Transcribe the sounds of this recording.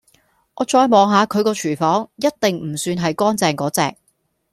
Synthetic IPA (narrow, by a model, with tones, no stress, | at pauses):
ʔɔː˨˧t͡ʃɔː˧jmɔː˨˧ŋɦaː˨˧kʰɵ˨˧ɥkɔː˧t͡ʃʰyː˨˩fɔː˨˥ŋjɐ˥t̚t̪ɪ˨ŋm̩˨˩syː˧nɦɐ˨jkɔː˥nt͡sɛː˧ŋkɔː˨˥t͡sɛ̰ː˨k̚